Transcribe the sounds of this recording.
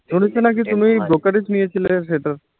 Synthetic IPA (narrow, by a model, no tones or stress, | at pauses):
ʃonit͡ɕʰenakit̪umibɾokaɖed͡ʑnijet͡ɕʰileʃeʈaɾ